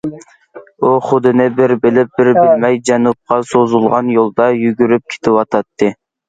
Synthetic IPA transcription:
oχʊd̪ɨnɪbɪɾbɪlɪp̚bɪɾbɪlmɛjd͡ʒɛnup̚qɑsozulˠʁɑnjolˠd̪ɑjyɡʲyɾyp̚kʲʰe̥t̪ʰɪwɑt̪ʰɑt̪ːɨ

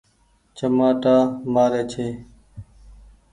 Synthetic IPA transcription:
t͡ʃəmaːʈaːmaːɾeːt͡ʃʰeː

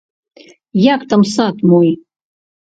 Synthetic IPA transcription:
jakt̪amsat̪moj

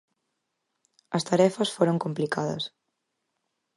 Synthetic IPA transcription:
ɐst̪aɾɛfɐsfoɾoŋkomplikaðɐ̰s

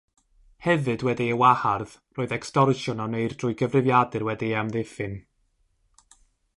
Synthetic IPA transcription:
hɛvɨdwɛdiəwaharðroːɨðɛkstɔrʃɔnɔnejrd̥rʊːɨɡəvrɨvjadɨrwɛdiamðɪfɨn

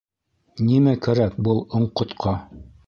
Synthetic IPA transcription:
nimækæɾæk̚bɤlˠŏɴqŏt̪qʰɑ

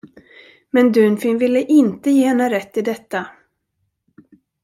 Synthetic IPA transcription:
mɛnd̪ʉːnfɪnvɪlːəʔɪnt̪əjeːhɛnːaɾɛt̪ːɪd̪ɛt̪ːa

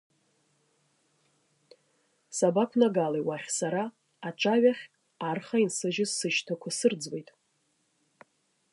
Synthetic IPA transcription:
sabakʷʰnaɡalejwaχʲsaɾaː | ʈ͡ʂʷʰʼaɥaχʲ | arχainsɨʒɪzsɨʃtʰakʷʰasɨrd͡zwejtʼ

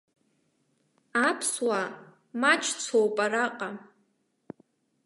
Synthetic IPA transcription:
apʰswa | mat͡ʃʰt͡sʰowpʼaɾaqʼa

